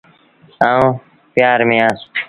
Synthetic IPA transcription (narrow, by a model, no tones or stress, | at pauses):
ãːũː | pjaːɾmĩjãː